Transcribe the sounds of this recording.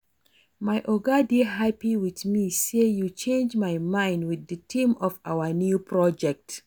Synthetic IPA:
majʔɔɡadiɦapiwiðmisejut͡ʃẽnd͡ʒmajmãɪ̃ndwɪðɨtʰĩmɔfawənjupʰɹɔd͡ʒɛk̚t

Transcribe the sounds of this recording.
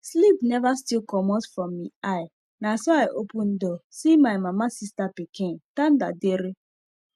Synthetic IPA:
slipnɛvastilkɔmɔtfɹɔmːiaj | nasɔajʔopun̩dɔsimajmamasistapikentan̩da̰deɾe

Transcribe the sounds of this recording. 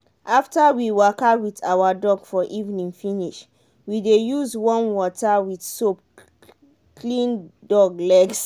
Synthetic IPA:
ʔaftawiwakawitawadɔɡfɔʔivnĩŋfĩniʃ | widejuzwɔ̃nwɔtawidsop̚ | klĩndɔɡlɛɡs

